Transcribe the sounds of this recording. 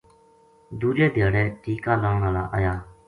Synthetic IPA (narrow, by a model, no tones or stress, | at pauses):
d̪ut͡ɕet̪ereʔt̪iːkalaŋralaʔaja